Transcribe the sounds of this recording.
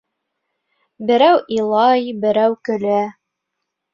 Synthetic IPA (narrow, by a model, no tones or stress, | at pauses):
bɘ̆ɾæwʔilˠɑjbɘ̆ɾæwkɵ̆læ